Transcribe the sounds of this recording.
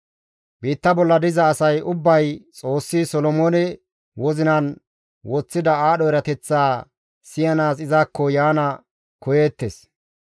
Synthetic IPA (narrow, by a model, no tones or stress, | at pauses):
biːt̪ːɐbɔlːɐd̪ɪzɐːsɐjʊbːɐjt͡sʼo̞ːsːisɔlɔmoːnɛ | wɔzɪnɐn | wɔt͡sːɪd̪ɐaːɗɔɛɾɐt̪ɛt͡sːaː | sɪjɐnaːsɪzaːkːɔjaːnɐ | kɔjeːt̪ːes